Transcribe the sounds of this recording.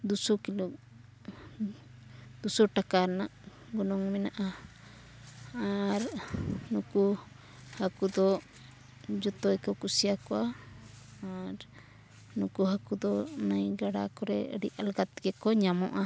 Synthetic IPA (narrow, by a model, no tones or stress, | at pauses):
d̪usɔkiluk̚ | d̪usɔʈakaɾnaʔ | ɡɔnɔŋmɛnaʔa | aɾnuku | hakud̪ɔ | d͡ʒɔt̪ɔjkɔkusijakɔwa | aɾ | nukuɦakud̪ɔnajɡaɽa̰kɔɾɛə̰ɽḭʔalɡat̪ɡɛkɔɲamɔ̰ʔa